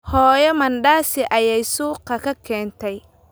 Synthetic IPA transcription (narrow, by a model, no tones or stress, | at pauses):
hɔːjɔmɐnɖaːsɪʔɐjɛjsuːqɑkʰɐkʰɛːnt̪ʰɛj